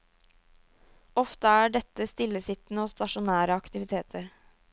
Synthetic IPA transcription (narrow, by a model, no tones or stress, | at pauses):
ɔft̪əæːɖɛt̪ːəst̪ɪlːəsɪt̪n̩əoːst̪ɑʂʊnæːɾəɑkt̪ɪʋɪt̪ʰeːt̪ʰəɾ